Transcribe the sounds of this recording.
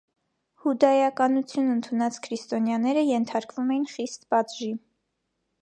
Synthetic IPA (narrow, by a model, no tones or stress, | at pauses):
hud̪ɑjɑkɑnut͡sʰjunənt̪ʰunɑt͡skʰɾist̪ɔnjɑnɛɾəjɛnt̪ʰɑɾkvumɛjinχist̪bɑt͡sʒi